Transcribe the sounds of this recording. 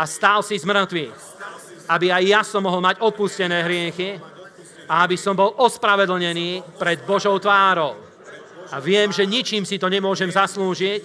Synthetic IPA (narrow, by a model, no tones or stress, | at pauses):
ast̪aːlsizmr̩t̪ʋix | abiajːasɔmːɔɦɔlmaɟɔpuscɛnɛːɦɾɪɛxi | aabisɔmbɔlʔɔspɾaʋɛd̪l̩ɲɛniːpɾɛd̪̚bɔʒɔʊt̪ʋaːɾɔʊ | aʋɪɛmʒɛɲit͡ʃiːmsit̪ɔɲɛmʊɔʒɛmzasluːʒic